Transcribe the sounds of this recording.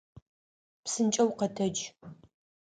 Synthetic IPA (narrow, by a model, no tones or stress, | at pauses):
psɨnt͡ʃʼɐwqɐtʰɐd͡ʒ